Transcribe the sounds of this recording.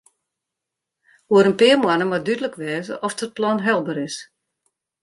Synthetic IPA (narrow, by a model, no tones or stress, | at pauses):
oəɾənpɪəmwanəmadydələkʋɛːzə̰ʔɔfdət̚plɔnɦɛlˠbəɾɪs